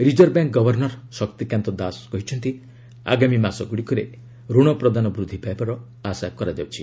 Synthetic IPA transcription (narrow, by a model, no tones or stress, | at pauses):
ɾid͡ʒɔɾbaŋk̚ɡɔbɔɾnɔɾsɔkt̪ikjant̪ɔd̪askɔɦit͡ʃʰɔnt̪i | a̰ɡamimasɔɡuɽikɔɾe | ɾuɽ̃ɔpɾɔd̪anɔbɾud̪ʱːipaebaɾɔ | asakɔɾad͡ʒawt͡ʃʰi